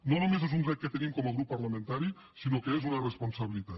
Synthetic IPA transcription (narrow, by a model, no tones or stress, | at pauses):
nonomezezunrɛk̚kət̪enimkɔməɣ̞ɾupːɐɾləmẽnt̪aɾi | sinokəezunəresponsaβilit̪at̪